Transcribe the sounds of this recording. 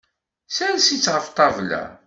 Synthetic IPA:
sælsit͡sːʁəft̪ˤɑvlæ̰

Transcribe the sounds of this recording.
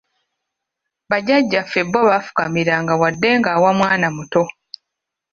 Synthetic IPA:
βaɟaɟːafe̞bːoβafu̥kamiɾaŋɡawadːe̞ŋɡaːwamwaːnamuto̞

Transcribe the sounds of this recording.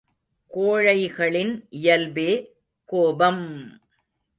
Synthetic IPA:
koːɻɐɪɣɐɭɪnʔɪjɐlbeː | koːbɐm

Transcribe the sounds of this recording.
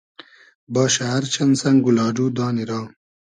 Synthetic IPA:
baːɕaɐɾt͡ɕɐnsɐŋɡulɑːɖuːd̪aːniɾaː

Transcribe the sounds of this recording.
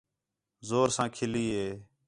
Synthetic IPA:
zoːɾsãːkʰɪliːɦeː

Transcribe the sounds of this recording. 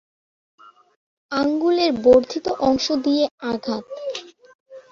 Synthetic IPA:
aŋɡuleɾboɾd̪ʱit̪oʔɔŋʃod̪ijeaɡʱat̪

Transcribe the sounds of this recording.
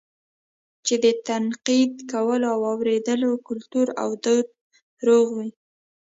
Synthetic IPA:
t͡ʃed̪ət̪anqid̪kawəloawɑwɾed̪əlokʊlt̪uɾa̰wd̪od̪̚ | ɾoɣwi

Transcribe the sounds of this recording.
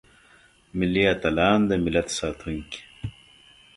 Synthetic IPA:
milːiɐt̪ɐlaːnd̪ɐmɪlɐt̪saːt̪ʰuŋki̥

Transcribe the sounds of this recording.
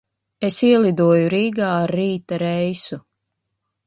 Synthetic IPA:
esiɛlˠid̪uɔjuɾiːɡaːɾːiːt̪aɾɛjsu

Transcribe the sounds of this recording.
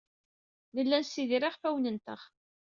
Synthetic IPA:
ləlːænsiðɾiʁfæwnənt̪ə̰ʁ

